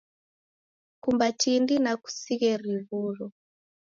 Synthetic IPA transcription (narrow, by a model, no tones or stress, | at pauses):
kumbatindinaku̥siɣɛɾiβulɔ